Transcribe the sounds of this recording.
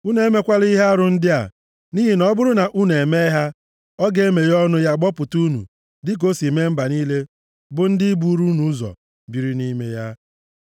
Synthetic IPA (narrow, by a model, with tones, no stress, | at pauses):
u˦ne˨me˦kʷa˦li˦ɦa˦a˦ɾʊ˨n̩˦dɪ˦a̰˨ | ni˦ɦi˨nɔ˦bʊ˦ɾʊ˦na˨ʔu˦ne˨me˦ɦa˦ | ɔ˦ɡe˦me˨ɾɔ˦nʊ˦ja˦ɡ͡bɔ˦pʊ˨tu˦nṵ˨ | dɪ˦k̬o˦si˨me˦m̩˦ba˨niː˦le˦ | bʊ˨n̩˦dɪ˦bu˦ɾu˦nu˦zɔ̰˨ | bi˨ɾi˦ni˦me˦ja˦